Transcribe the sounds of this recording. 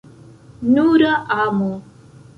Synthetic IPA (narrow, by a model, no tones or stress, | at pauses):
nuɾaʔamu